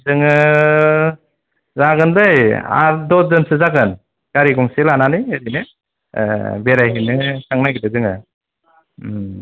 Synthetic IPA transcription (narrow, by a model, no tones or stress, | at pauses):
dɯŋɯ | zaɡɯndɯja̰ɾdɔzɯnsɯzaɡɯn | ɡ̥aɾiɡɔŋselananɯjedinɯ̰ | beɾajɦinɯsʰaŋnajɡidɯzɯŋɯ